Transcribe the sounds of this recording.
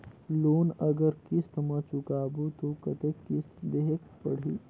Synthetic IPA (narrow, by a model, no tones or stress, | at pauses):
lonəɡəɾkist̪mət͡ʃukabut̪okət̪ekːist̪d̪eɦek̚pə̰ɽ̤ḭ